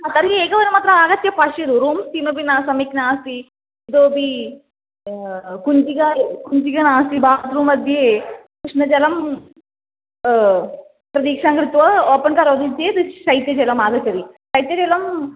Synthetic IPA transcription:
at̪ɐɾkieːɡɐʋɐnimaːt̪ɾɐaːɡɐt̪jɐpaʂed̪uɾuːmst̪imɐpinɐsɐmiknaːsi | id̪oːbi | kuɲd͡ʒiɡakuɲd͡ʒiɡɐnaːst̪ibaːd̪ɾuːmɐd̪ʱjekuʂnɐd͡ʒɐlɐm | pɾɐd̪iːkʂaːŋɡɾit̪ʋɐoːpɐnkaːɾod̪id͡ʒjet̪ɨsɐjt̪jɐd͡ʒɛlɐmaːɡɐt̪jɐd̪isɐjt̪jɐd͡ʒɛlɐm

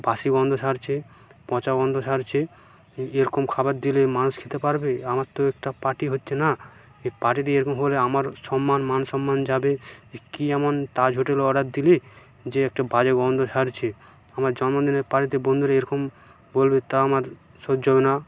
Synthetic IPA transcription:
baʃiɡɔnd̪ʱoʃaɾt͡ɕʰe | pɔ̃t͡ɕaɡɔnd̪ʱoʃaɾt͡ɕʰe | eɾɔkomkʰabat̪̚d̪ilemanuʃkʰet̪epaɾbeamaɾt̪oɛkʈapaʈiɦotːɕʰena | epaʈit̪̬eeɾɔkomɦoleamaɾʃɔmːanmanʃɔmːand͡ʑabekiɛmont̪ad͡ʑʱoʈeleɔɽat̪̚d̪ile | d͡ʑeek̚ʈabad͡ʑeɡɔnd̪ʱoʃaɾt͡ɕʰe | amaɾd͡ʑɔnmod̪ineɾpaʈit̪ebond̪ʱuɾeeɾɔkom | bolbet̪aamaɾ | ʃod̪ːd͡ʑobena

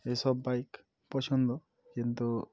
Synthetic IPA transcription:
esɔbːajk | pɔsʰɔnd̪ɔ | kint̪u

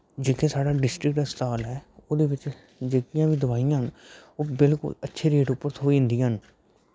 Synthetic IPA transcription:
d͡ʒeːkʰeːsaːɽaːɖɪsʈɾɪk̚ʈɛst̪aːlɦɛːoːd̪eːʋɪt͡ʃ | d͡ʒeːkijãːʋiːd̪əbaːijãːɦənoːbɪlkʊ̰lətːʃʰeːɾeːʈʊpːəɾt̪ʰoːiɪ̃nd̪iãɦən

